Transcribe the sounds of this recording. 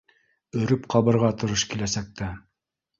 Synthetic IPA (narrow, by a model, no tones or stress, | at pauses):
ɵ̆ɾɵpqʰɑβɤ̆ɾʁɑt̪ŏɾɤʃkilæsæk̚t̪æ